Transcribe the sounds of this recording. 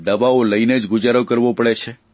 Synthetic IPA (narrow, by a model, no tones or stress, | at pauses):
d̪əbaoləined͡ʒɡʊd͡ʒaɾokəɾʋopəɽet͡ʃʰe